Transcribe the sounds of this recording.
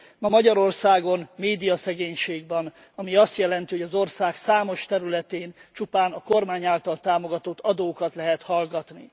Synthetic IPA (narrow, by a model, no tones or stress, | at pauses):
mɒmɒɟɒɾo̞rsaːɡo̞nmeːd̪ijɒsɛɡeːɲʃeːɡbɛn | ɒmiɒst̪jɛlɛnt̪iɦoɟɒzo̞rsaːksaːmo̞ʃt̪ɛɾylɛt̪eːnt͡ʃupaːnɒko̞rmaːɲaːlt̪ɒlt̪aːmo̞ɡɒt̪ot̪ːɒd̪oːkɒt̪lɛɦɛt̪hɒlɡɒt̪ni